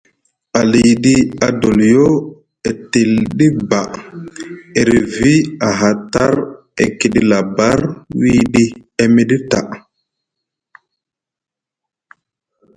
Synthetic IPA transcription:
a˨li˨ɗi˦a˨do˨ljo˦ | e˨ti˨lɗi˦ba˨ʔ | e˨ɾe˨vi˦a˨ɦa˨ta˦ɾ | ḛ˨ki˨ɗi˦la˨ba˦ɾwiː˦ɗi˦e˦me˦ɗi˦ta˨ʔ

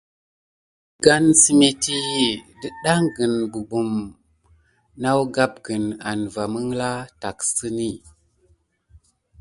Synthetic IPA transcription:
ɡa˦nsi˨me˨ti˦də˦ɗa˦ŋɡə˨nbu˨bu˨m | na˦wɡa˦p̚ɡə˨na˨nva˨mə˦ŋla˦ta˨ksɨ˦ni˦˨

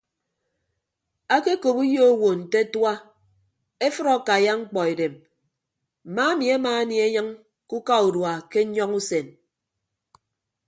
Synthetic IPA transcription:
a˦ke˦ko˨bu˦jo˦o˦wo˨n̩˨te˦twa˦ | e˦fɨ˦ɾɔ˦˨ka˨ja˦ŋ͡m̩˦k͡pɔ˨e˨de˨m | m̩˨ma˦mi˨a˦ma˨a˦ni˨˦e˦ɲɨ˦ŋ | ku˦ka˦u˨dwa˨ke˦ɲɔ˦ŋu˦se˨n

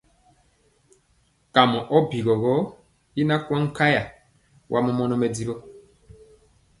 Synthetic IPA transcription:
ka˨mɔ˨ʔɔ˦bi˨ɡɔ˨ɣɔ˦ | i˦na˦kwɔ˦ŋ̩˦ka˦ja˨ | wʔa˦mɔ˦mɔ˦nɔ˦mɛ˨di˦bo˦

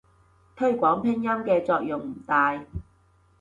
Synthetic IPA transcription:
t̪ʰɵ˥ɥkʷɔː˨˥ŋpʰɪ˥ŋjɐ˥mkɛː˧t͡sɔː˧k̚jʊ˨ŋm̩˨˩t̪aː˧j

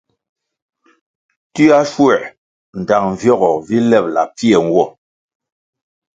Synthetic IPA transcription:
ti˦a˦ʃwɛ˦˨ | n̩˨da˨ŋɱ˨vjɔ˦˨ɣɔ˨vi˦lɛ˦˨p̚la̰˨pi˦ɛ˨ŋ̩˦ɡwɔ˦˨

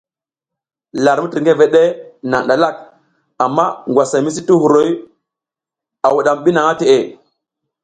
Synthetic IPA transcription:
la˨ɾmu˦ti˨ɾŋɡe˦ve˨ɗe˦na̰˨ŋɗa˨la˦˨k̚ | a˨mːa˦ŋɡwa˨sa˨˦mi˦s̬i˦tu˦hu˨ɾo˦j | a˨wu˨ɗa˨mɓi˦na˨ŋa˦te˨ʔe˨

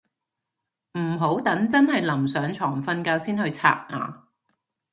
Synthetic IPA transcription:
m̩˨˩ɦo˨˥wt̪ɐ˨˥ŋt͡sɐ˥nhɐ˨jlɐ˨˩msœː˨˥ŋt͡ʃʰɔː˨˩ŋfɐ˧nkaː˧wsiː˥nhɵ˧ɥt͡sʰa̰ː˧t̚ŋa̰ː˨˧

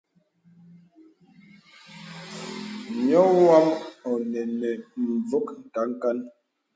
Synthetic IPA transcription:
ɲɔ˦wa˦mɔ˨nɛ˨nɛ˨m̩˨b͡vo˦kŋ̩˨ka˨˦ŋ˦ka˦n

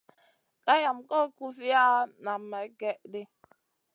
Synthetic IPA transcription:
ka˦ja˨mkɔ˦ku˦si˦ja˦na˨mɛ˨˦ɡɛ˦ʔdɪ˦

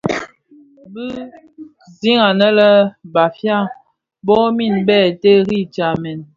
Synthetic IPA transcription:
bɨ˦ | zi˦ŋa˨nə˦lə˦ba˨fja˦˨ŋ | bɔ˦mi˦˨nbɛ˦˨te˦ɣi˦˨t͡ʃa˨mɛ˨n

